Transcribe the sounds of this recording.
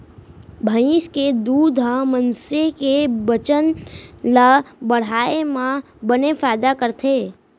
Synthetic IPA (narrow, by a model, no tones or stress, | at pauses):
bʱəiʃked̪uːd̪ʱɦamənsekebət͡ʃənlabəɽ̤aːemã | bənefaːɪd̪akəɾt̪ʰeː